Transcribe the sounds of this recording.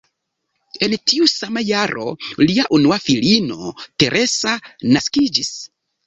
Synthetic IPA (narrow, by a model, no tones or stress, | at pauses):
e̞ntiusamajaɾʔo̞̰liaʔunuafilino̞̰te̞ɾʔe̞sanaskid͡ʒis